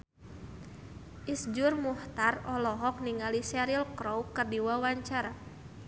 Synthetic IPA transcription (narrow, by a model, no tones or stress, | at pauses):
ʔisd͡ʒʊrmuht̪arɔlɔɦɔk̚niŋalisɛɾilkɾɔwkərdiwawaɲt͡ʃaɾa